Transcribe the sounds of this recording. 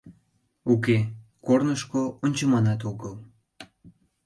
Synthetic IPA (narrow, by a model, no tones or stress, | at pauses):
ukekornəʃkoonʲt͡ɕəmɑnɑt̪̬oɣəl